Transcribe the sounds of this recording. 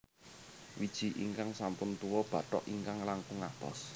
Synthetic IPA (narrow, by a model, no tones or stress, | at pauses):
wid̥ʒ̥i̤ʔḭŋkaŋsampʊnt̪uwɔb̥ä̤ʈɔʔiŋkaŋlaŋkʊŋapɔ̰s